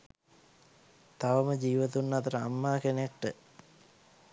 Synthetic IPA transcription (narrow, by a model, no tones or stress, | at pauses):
t̪aʋəməd͡ʒiːʋət̪unːɐt̪əɾəamːaːkenakʈːə